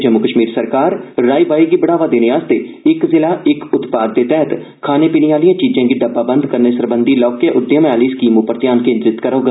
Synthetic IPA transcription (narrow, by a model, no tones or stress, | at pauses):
d͡ʒəmːʊkəʃmiːɾsəɾkaːɾːaːibaːiːɡiːbəɽaːʋaːd̪eːneːaːst̪eːɪkzɪlaːʔɪkʊt̪paːd̪ːeːt̪ɛɦət̪ | kʰaːneːpiːniːaːlijãːt͡ʃiːd͡ʒãːɡiːɖəbːaːbənd̪kəɾneːsəɾbənd̪iːlɔːkːeʔʊd̪jãːmaːliːskiːmõːpəɾt̪jaːnkẽːnd͡ʒ̪ɾɪt̪kəɾoːɡa